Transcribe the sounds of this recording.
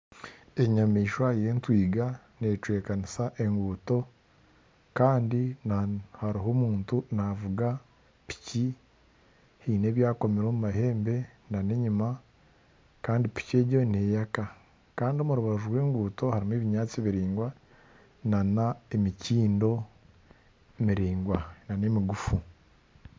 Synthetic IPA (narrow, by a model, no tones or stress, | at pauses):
e̞ɲamiːʃwaje̞ːntwiːɡa | ne̞t͡ʃwe̞ːkanisaʔe̞ŋɡuːto̞ | kaːndinahaɾiɦo̞muːntunavuɡa | pi̥ci | hiːne̞ːβjaːko̞meɾo̞ːmumahe̞ːmbe̞nane̞ɲima | kaːndipi̥ce̞ːɟo̞ne̞ːjaka | kaːndio̞muɾuβaʒuɾwe̞ːŋɡuːto̞haɾimeːβiɲaːt͡siβiɾiːŋɡwa | nanaemiciːndo̞ | emiɾiːŋɡwananemiɡufu